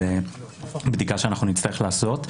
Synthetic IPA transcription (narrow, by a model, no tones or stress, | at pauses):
e | bd̪ikaʃeanaχnunitt͡st̪aʁeχlaːso̞t